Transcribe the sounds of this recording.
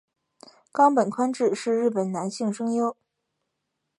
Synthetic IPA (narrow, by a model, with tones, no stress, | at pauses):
kɑ˥ŋpə˨˩nkʰwa˥nʈ͡ʂɻ̩˥˧ʂɻ̩˥˧ɻɻ̩˥˩pə˨˩nna˧˥nɕi˥˩ŋʂɤ˥ŋjo˥ʊ